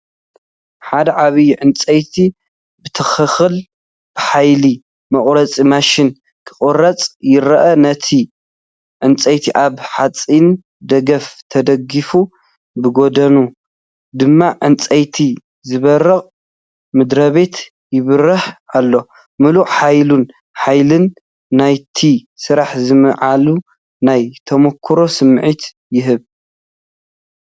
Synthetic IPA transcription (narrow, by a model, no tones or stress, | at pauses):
ħad̪ɐʕaβiʕɨnt͡sʼɐjt̪ʰi | bɨt̪ʰɐxɨxɨl | b̥ɨħajli | mɐχʼɾɐt͡sʼimaʃɪn | kʰɨ̥χʼɨrɐt͡sʼjɪɾɐʔɐnɐt̪ʰi | ʕɨnt͡sʼɐjt̪ʰiʔaβħat͡sʼin | d̪ɐɡɐft̪ʰɐd̪ɐɡifu | bɨɡo̞d̪ɐnu | d̪ɨmːaʕɨnt͡sʼɐjt̪ʰi | zɨβɐɾːɨχʼ | mɨd̪ɾɐβe̞t̪ | jɪβɨrɐħalːo̞ | mɨluʔħajlun | ħajlɨnː | ajt̪ʰisɨɾaħzɨmɨʕalu | najt̪ʰɐmokʰːɾo̞sɨmʕit̪ | jɪɦɨβ